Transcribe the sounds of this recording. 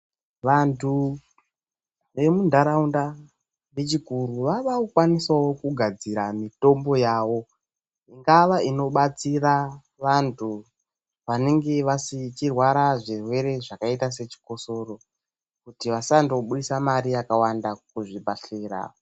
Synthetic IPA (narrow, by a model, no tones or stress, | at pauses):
ʋantʰu | ʋe̞mundʱaɾaunda | ʋet͡ʃikuɾuʋaʋaukwaniswawo̞kuɡʱad͡ziɾamito̞mbo̞jaːwo̞ | iŋɡaʋaino̞ɓat͡sira | ʋantʰu | ʋane̞ŋɡe̞ʋasit͡ʃirwaɾaʐirwe̞ɾe̞ʐakaitas̬e̞t͡ʃi̥ko̞so̞ro̞ | kutiʋasandooɓuɗisamaɾijakawandakuʐibʱaɬeːra̰